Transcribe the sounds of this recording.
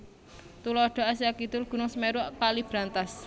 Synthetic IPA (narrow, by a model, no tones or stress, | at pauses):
t̪ulɔɖ̥ɔ̤asiakit̪ʊlɡ̥ṳnʊŋsəmeɾuʔkalib̥ɾant̪as